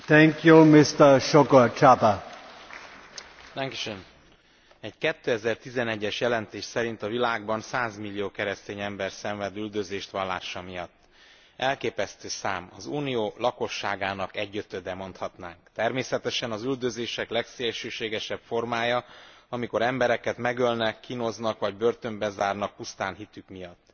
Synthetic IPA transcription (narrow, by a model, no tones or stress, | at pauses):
t̪ɛŋkjumɪst̪əʃokot͡ʃat̪a | t̪ɛŋki̥ʃøn | ɛɟkɛt̪ːøːɛzɛrt̪izɛnɛɟːɛʃjɛlɛnt̪eːʃsɛɾin̪t̪ɒvilaːɡ̚bɒnsaːzmilːijoːkɛɾɛst̪eːɲɛmbɛrsɛɱvɛd̪yld̪øzeːʃt̪ʋɒlːa̰ːʃɒmijɒt̪ː | ɛlkeːpɛst̪øːsaːmɒzuːnijoːlɒko̞ʃːaːɡaːnɒkɛɟːøt̪ød̪ɛmo̞n̪t̪hɒt̪naːŋkt̪ɛrmeːsɛt̪ɛʃɛnɒzyld̪ø̞zeːʃɛklɛkseːlʃøːʃeːɡɛʃɛpfo̞rmaːjɒɒmiko̞ɾɛmbɛɾɛkɛt̪mɛɡølnɛkʰːino̞znɒkʋɒɟbørt̪ø̞mbɛzaːrnɒk̚pust̪aːnɦit̪ykmijɒt̪ː